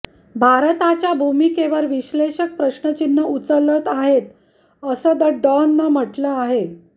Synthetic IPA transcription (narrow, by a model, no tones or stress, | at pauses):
bʱaɾt̪at͡ɕjabʱumikeʋəɾʋiɕleɕək̚pɾəɕɳət͡ɕinːəut͡sələt̪aɦet̪ | əsəːd̪əɖɔnːəm̤əʈləaɦe